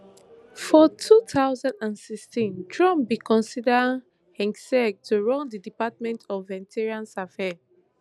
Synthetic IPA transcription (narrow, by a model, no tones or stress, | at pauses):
fɔtʰutʰaʊzãndãnsikstĩndɹɔ̃mbikʰɔ̃nsida | hɛ̃ŋɡsɛɡ̚tʰuɹɔ̃ndidipat̚mɛ̃ntʰɔfvɛntʰɛɹiãnsafɛ